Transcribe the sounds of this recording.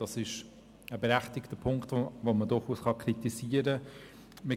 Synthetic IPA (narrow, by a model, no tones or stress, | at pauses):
d̥ɑsɪʃ | əbəɾæχtɪktəpʰʊŋktvomədʊɾχuːsχɑkʰɾitisiːəɾə | mə